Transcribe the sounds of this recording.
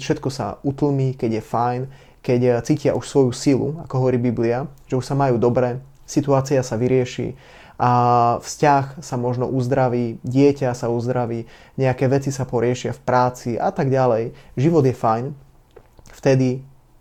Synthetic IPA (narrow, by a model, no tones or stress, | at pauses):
fʃɛt̪̚kɔsa̰ut̪l̩ˠmiːkɛɟjɛfajn | kɛct͡siːcɪa̰ʔuʃsʋɔjusilṵakɔɦɔʋɔɾiːbibliaʒ̥ɛuʃsamajuːd̪ɔbɾɛː | sit̪uaːt͡siasaʋiɾɪɛʃḭː | afscaxsamɔʒnɔʔuzd̪ɾaʋiːɟɪɛcasauzd̪ɾaʋiːɲɛakɛːʋɛt͡sisapɔɾɪɛʃɪafpɾaːt͡siʔa̰t̪aɡɟalɛjʒiʋɔd̪jɛfajn | ft̪ɛd̪i